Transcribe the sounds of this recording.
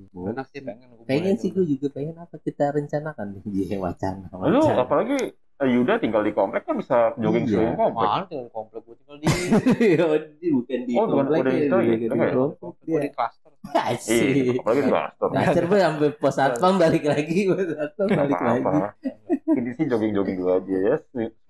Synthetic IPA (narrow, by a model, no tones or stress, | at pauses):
bolaeŋpeŋɛnsihɡuad͡ʒuɡapeŋɛnapakit̪aɾəɲt͡ʃanakand͡ʒiwa̰t͡ʃa̰nawalot͡ʃaapalaɡi | əjudat̪iŋɡaldikomplɛkːanbisakəd͡ʒoɡɪŋŋkompɛdaikomplɛk̚ɡut̪iŋɡaldiaoddibukandioɔkamnlɛkdat̪aɡɡaddiaɾɔmpɔk̚diiklast̪ərat͡ʃiapalaɡidikla̰st̪əra̰t͡ʃərpaampɛpəsat̪̚faŋbalɪklaɡipəsat̪̚waŋbalɪ̰klaɡai | inisɪd͡ʒoɡɪŋd͡ʒoɡɪŋduad͡ʒajasi